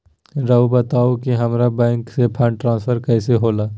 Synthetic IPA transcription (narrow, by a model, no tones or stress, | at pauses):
ɾɐubɐt̪aːokiɦɐmɾabɛ̃ːŋksepʰãːɳʈɾãːnspʰəɾkɛːseɦoːlaː